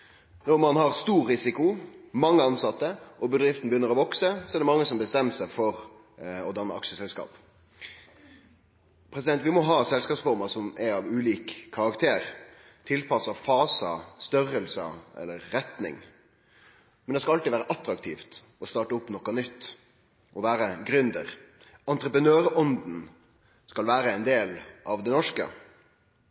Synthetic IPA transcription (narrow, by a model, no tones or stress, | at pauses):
nɔɾmɑnɦɑɾst̪uːɾːɪsɪkʊmɑŋːəɑnsɑt̪ːəʔɔbəd̪ɾɪft̪n̩bəjʏnəɾɔʋɔksəsɔɛɖ̪ɛmɑŋːəsɔmbəst̪ɛmːsæɪfɔɾ | ɔd̪ɑnːəɑ̰kʂəsɛlskɑ̰ːp | pʰɾɛs̬ɪd̪ɛnt̪ʋɪmɔɦɑːsɛlskɑːpsfɔɾmɑsɔmʔæɑʋʉːliːkʰːɑɾɑkt̪ʰeːɾ | t̪ʰɪlpʰɑsɑfɑːsɑst̪œɾəlsəɛ̰lːəɾːɛt̪nɪ̰ŋ | mɛnd̪ɛskɑlɑlt̪ɪʋæːɾəʔɑt̪ɾɑkt̪ʰiːft̪ | ɔst̪ɑːʈəʊpːnɔkːɑnʏt̪ː | ʔɔʋæːɾəɡɾʉnd̪əɾ | ɑnt̪ɾəpənøːɾɔnd̪n̩ | skɑlʋæːɾəɛnd̪eːlʔɑʋd̪ɛnɔʂkə̰